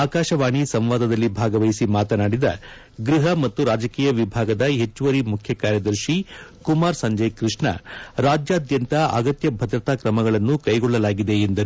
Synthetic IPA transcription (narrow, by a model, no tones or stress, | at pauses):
aːkaːʃɐʋaːɳisɐmʋaːd̪ɐd̪ɐlːibʱaːɡɐʋɐjisimaːt̪ɐnaːɽid̪ɐ̰ | ɡɾiɦɐmɐt̪ːuɾaːd͡ʒɐkiːjɐʋibʱaːɡɐd̪ɐɦe̞t͡ʃːuʋɐɾimukʰjɐkaːɾjɐd̪ɐɾʃikumaːɾsɐɲd͡ʒɐjkɾiʂɳɐ̰ɾaːd͡ʒjaːd̪jɐnt̪ɐʔɐ̰ɡɐt̪jɐbʱɐd̪ɾɐt̪aːkɾɐmɐɡɐɭɐnːukɐjɡɔɭːɐlaːɡid̪e̞ːnd̪ɐɾu